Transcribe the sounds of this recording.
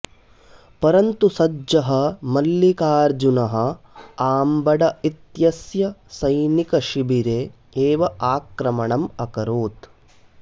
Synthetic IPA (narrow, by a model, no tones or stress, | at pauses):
pɐɾɐnt̪usɐd͡ʒɐɦɐ̆mɐlːikaːɾd͡ʒunɐɦɐ̆ | aːmbɐɖɐit̪jɐsjɐsɐjnikɐʃibiɾeː | eːʋɐʔaːkɾɐmɐɳɐmɐkɐɾoːt̪